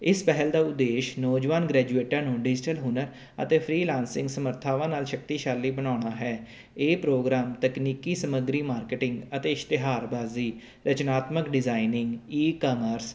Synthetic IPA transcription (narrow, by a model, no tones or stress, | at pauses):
ɪspɛɦəld̪aːʊd̪eːʃnəːd͡ʒʋaːnɡɾɛːd͡ʒueːʈãːnũːɖɪd͡ʒʈəlɦʊnəɾ | ə̰t̪eːpʰɾiːlãːnsɪ̃ŋɡsəməɾt̪ʰaːʋãːnaːlʃək̚t̪iːʃaːlːiːbənaːʊɳaːɦɛː | eːpɾoːɡɾaːmt̪əkniːkiːsəməɡɾiːmaːɾkeːʈɪ̃ŋɡət̪eːɪʃt̪ɪɦaːɾbaːziː | ɾət͡ʃnaːt̪məkɖɪzaːinɪŋɡiːkɔːməɾs